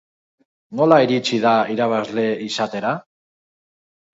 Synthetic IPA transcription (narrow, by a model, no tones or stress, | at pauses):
nolaiɾit͡ʃiðaiɾaβ̞azle̞isat̪e̞ɾa